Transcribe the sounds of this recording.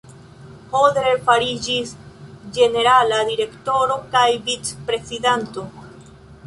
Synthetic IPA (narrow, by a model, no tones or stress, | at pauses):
hodɾeɾfaɾid͡ʒisd͡ʒe̞ne̞ɾalad̪iɾe̞kto̞ɾo̞kajvit͡spɾe̞sidanto̞